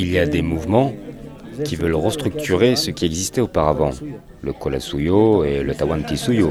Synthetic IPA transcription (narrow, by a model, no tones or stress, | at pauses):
ilijad̪emuvmɑ̃ | kʲivəlʁəst̪χyk̚t̪ʰyʁesəkʲiɛɡzist̪ɛopaʁavɑ̃ | ləkɔla̰sujoelət̪awãnt̪isujo